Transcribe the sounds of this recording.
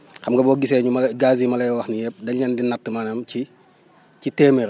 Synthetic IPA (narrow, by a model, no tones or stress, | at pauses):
xɐmɡɐbɔːɡisɛɲumɐɡaːzimɐlɐjwɐxnijɛp̚dɐɲɐndinɐtːəmanɐmci | citɛːmeɾ